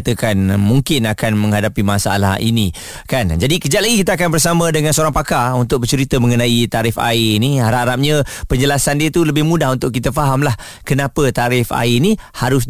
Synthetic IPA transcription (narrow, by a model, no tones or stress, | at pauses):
t̪əkanmuŋkɪnakanmə̃ŋɦadapimasaa̰la̰hḭni | kand͡ʒadikəd͡ʒat̪laɡikit̪əakanbərsamãdəŋãnsəoɾaŋpakaunt̪ʊk̚bət͡ʃəɾit̪əməŋənãit̪aɾɪfa̰iniaɾaɾap̚ɲə̃pəɲd͡ʒəlasandiət̪uləbɪhmũdahunt̪ʊʔkːit̪əfaɦamlah | kənapət̪aɾɪfa̰inĩhaɾʊs